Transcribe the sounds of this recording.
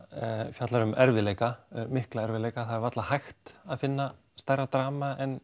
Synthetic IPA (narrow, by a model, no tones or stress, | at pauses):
fjat̪laɾʏmɛɾvɪleːjkamɪhklaɛɾvɪleːjkaθaðɛɾvat̪lahajxt̪aðfɪnːa | st̪ajrːat̪ɾaːmaʔɛn